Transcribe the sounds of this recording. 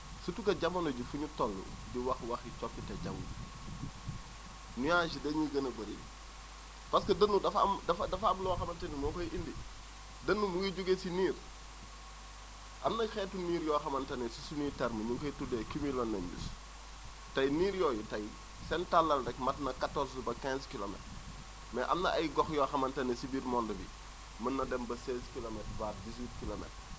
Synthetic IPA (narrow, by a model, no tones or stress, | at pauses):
sutukɐɟɐmɐnoɟifuɲutɔlːṵ | ɟiwɐxwɐxit͡ʃɔpːitɐɟɐ̰wṵ | nujaʃidɐɲuɡɐnɐbɐɾḭ | pɐskɐdɐnːudɐfɐ̰mdɐfdɐfɐmlɔːxɐmɐntɐnimɔːkojʔindi | dɐnːumuɡiɟuɡesiniːr | ʔɐmnɐxɛːtːuniːɾjɔːxɐmɐntɐnɛsi̥sunitɛɾməɲuŋkɔjtudɛkimilɔnːɛmbḭs | tɐjniːɾjɔːjitɐj | sɛntalːɐnrɛkmɐtnɐkatːɔsbɐkɛnskilomɛ̰t | mɛ̰ʔɐ̰mnɐʔɐjɡɔxjɔːxɐmɐntɐnɛsibiɾmɔndəbḭ | mɐnːɐdɛmbɐsɛːskilomɛtvaːtdiswiːt̚kilomɛ̰t